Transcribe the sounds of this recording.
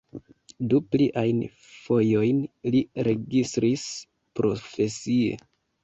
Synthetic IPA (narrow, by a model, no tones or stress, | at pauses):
dupliʔajn | fo̞jo̞jnliɾe̞ɡistɾis | pɾo̞fe̞sie̞̰